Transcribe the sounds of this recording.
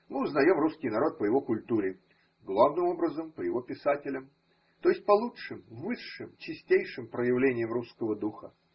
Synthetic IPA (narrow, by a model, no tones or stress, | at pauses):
mɨʊznɐjo̞mruskʲɪjnɐɾo̞t̪̚pəjɪvo̞kʊlʲt̪uɾʲɪ | ɡlˠavnɨmo̞bɾəzəmpəjɪvo̞pʲɪsatʲɪlʲəm | t̪o̞jɪsʲt̚ʲpɐlˠuʂɨmvɨʂːɨmt͡ɕɪsʲtʲejʂɨmpɾəjɪvlʲenʲɪjəmruskəvəd̪uxə